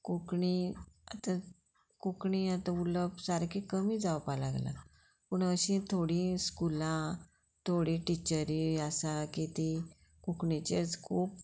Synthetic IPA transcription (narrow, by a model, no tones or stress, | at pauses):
kokɳiat̪ã | kokɳiːat̪ãuləbsaɾkʰekəmiːd͡zawpalaɡla̰ | puɳəɕĩt̪ʰoɽĩːskulã | t̪ʰoɽĩʈit͡ɕəɾiasakit̪i | kukɳit͡ɕet͡skʰuːp̚